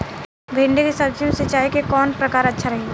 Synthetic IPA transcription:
bʱẽːɳɖekesɐbd͡ʒijõset͡ʃaːɦekekɔːnpɾɐkaːɾɐtːʃʰaɾɐɦeː

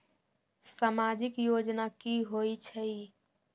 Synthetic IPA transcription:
samad͡ʒikjod͡ʒnakiɦojt͡ʃʰəj

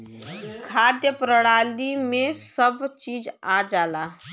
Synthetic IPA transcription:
kʰaːd̪jəpɾəɽaːlimẽsəbt͡ʃiːd͡ʒad͡ʒaːlaː

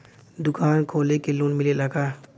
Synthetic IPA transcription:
d̪ʊkʰaːnkʰoːlekelunmɪlelɐɡaː

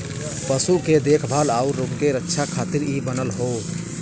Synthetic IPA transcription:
pəsuked̪eːkʰbʱaːlaːuɾɾobkeɾətːʃʰakʰaːt̪iɾibənəlɦoː

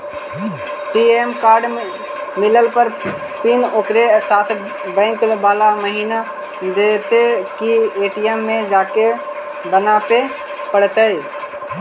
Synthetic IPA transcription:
sieːmkaːɾɖ | mɪləlpəɾ | pɪnoːkɾesaːt̪ʰ | bɛ̃ɪ̃ŋklbaːlaməɦiːna | d̪et̪ekieːʈiemːẽd͡ʒaːke | bənape | pəɽt̪əj

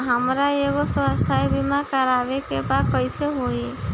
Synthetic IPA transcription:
ɦamɾaeɡosɔst̪ʰaebimakaɾabekebakɔjseɦoi

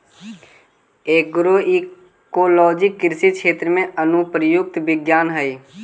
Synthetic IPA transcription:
eːk̚ɡɾoːi | koːlɔːd͡ʒɪkːɪɾsikʃeːt̪ɾəmẽʔənʊpɾəjʊk̚t̪ʋɪɡjaːnɦəiː

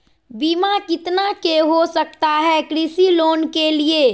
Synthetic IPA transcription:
biːmakɪt̪nakeɦosək̚t̪aɦɛkɾisiloːnkelie

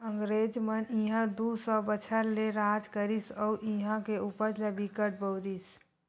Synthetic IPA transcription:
əŋɡɾed͡ʒmənĩɦãd̪usə̃bət͡ʃʰəɾleɾad͡ʒkəɾisəuʔiɦãkeupəɾlebikəʈ̚bəwd̪is

